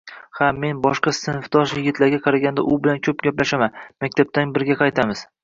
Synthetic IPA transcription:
hame̞nbɒʃqɑsɪnfd̪ɒʃjɪɡʲɪt̪laɾɡʲaqʰɑɾaɡʲand̪a̰ʔʊbɪlankʲʰɵpɡʲaplaʃamanmakʲt̪ʰab̚t̪ʰanbɪɾɡʲaqʰɑjt̪ʰamɪz̥

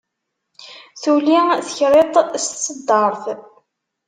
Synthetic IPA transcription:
θuliθəçɾet̪ˤst̪səd̪ːɑɾˤθ

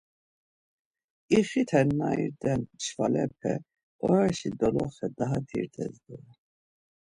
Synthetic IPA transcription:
iχit̪ʰɛnnaiɾd̪ɛnt͡ʃʰvalɛpʰɛ | ɔɾaʃid̪ɔlɔχɛd̪aɦat̪ʰḭɾt̪ʰɛzd̪ɛ

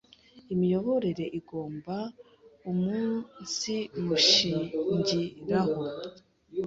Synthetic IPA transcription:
imijo̞βo̞ɾe̞ɾe̞ʔiɡo̞ːmba | umuːnsimuʃiːɲɟiɾaho̞

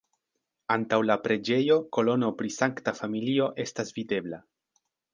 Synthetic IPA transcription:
antawlapɾe̞d͡ʒe̞jo̞ko̞lo̞no̞pɾisaŋktafamilio̞ʔe̞stasvide̞bla

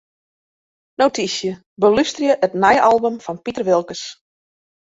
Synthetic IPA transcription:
nowtisjə | bəlystrjəʔətnɛjʔɑlˠbəmfɔnpitərʋɪlˠkəs

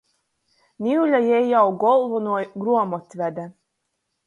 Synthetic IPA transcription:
nʲiulʲajɛjjawɡɔlˠvɔnuɔjɡɾuɔmɔt̪ʲvʲɛd̪æ

